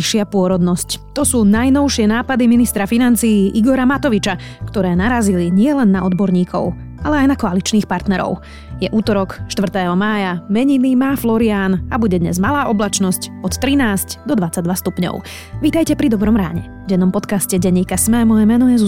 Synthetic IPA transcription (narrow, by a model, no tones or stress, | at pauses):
iʃɪapʊɔɾɔd̪nɔsct̪ɔsuːnajnɔʊʃɪɛnaːpad̪iminist̪ɾafinant͡siːʔiɡɔɾamat̪ɔʋit͡ʃa | kt̪ɔɾɛːnaɾaziliɲɪɛlɛnːaɔd̪bɔɾɲiːkʰɔ̰ʊ | alɛajnakɔalit͡ʃniːxpaɾt̪nɛɾɔ̰ʊ | jɛʔuːt̪ɔɾɔkʃt̪ʋr̩t̪ɛːɦɔmaːjamɛɲiniːmaːflɔɾiaːnabuɟɛd̪ɲɛ̰zmalaːʔɔblat͡ʃnɔscɔt̪t̪ɾinaːscd̪ɔd̪ʋat͡saɟ̚d̪ʋast̪upɲɔ̰ʊ | ʋiːt̪ajcɛpɾid̪ɔbɾɔmɾa̰ːɲɛ̰ | ɟɛnɔmpɔt̪kascɛɟɛɲːiːkasmɛmɔjɛmɛnɔjɛzu